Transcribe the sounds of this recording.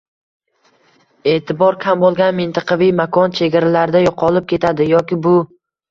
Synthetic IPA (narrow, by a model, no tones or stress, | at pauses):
e̞t̪ʰɪbɒɾkʲʰambolˠɡʲanmɪnt̪ʰɑqʰɑvijmakʰɒnt͡ʃʰe̞ɡʲaɾalaɾɪd̪ajɒqʰɒlˠɪp̚kʲʰe̞t̪ʰad̪ɪjɒkʲɪbʊ